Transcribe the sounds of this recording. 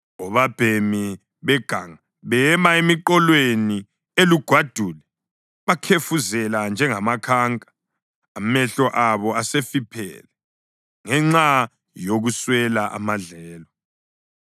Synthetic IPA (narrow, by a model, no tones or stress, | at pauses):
ɔβab̥ʱemi | βɛɡ̥ʱaŋa | βɛmaemiǃɔlweni | eluɡ̥ʱwad̥ʱuːlɛ | βakʰefuzɛland͡ʒʱɛŋamakʰaːŋkʼḁ | amɛɬɔʔaβɔasefipʰɛ̰lɛ | ŋɛŋ͡ǁa | joɣuswɛlaʔa̰maɮɛːlɔ